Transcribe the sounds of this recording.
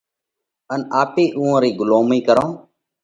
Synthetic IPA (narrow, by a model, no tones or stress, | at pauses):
ənaːpeːʔũːãːɾiːɡʊloːmiːkəɾõː